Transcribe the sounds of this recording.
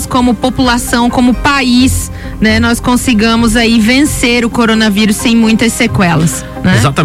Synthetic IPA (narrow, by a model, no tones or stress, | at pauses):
skõmʊpopulasɐ̃w̃kõmʊpais | nɛnɔskõsiɡɐ̃mʊzaivẽseɾʊkoɾonɐviɾʊsːẽj̃mũj̃t̪ɐsːekwɛlɐs | nɛzat̪ɐ